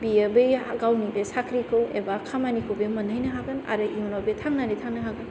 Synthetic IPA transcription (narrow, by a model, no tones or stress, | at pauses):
biebɯjaɡawnibesakʰɾikʰɯwḛbakʰamanikʰobemɐnajnɐɦaɡɯna̰ɾɯʔimnobetʰaŋnanitʰaŋnɐɦaɡɯnn